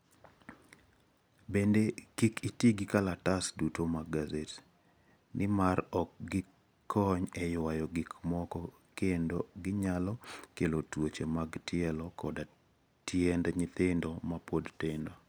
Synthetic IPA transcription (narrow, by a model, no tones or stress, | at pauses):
bendekikʰitiɡɪkalatasdutomaɡazet | nʔɪmaɾɔk̚ɡɪ | kʰɔɲɛjwajɔɡɪkmɔkɔ | kendoɡɪɲalɔkelotwot͡ʃemaɡtɪɛlɔkʰɔda | tjɛndɲɪt̪ɪndɔmapodtendo